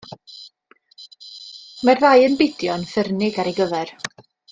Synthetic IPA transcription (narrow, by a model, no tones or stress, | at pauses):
marðajənbɪdjɔnfɛrnɪɡaɾeɡəvɛr